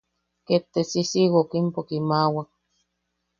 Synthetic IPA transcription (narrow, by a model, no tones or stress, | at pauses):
ket̪ːesisiwokimpokimaːwak̚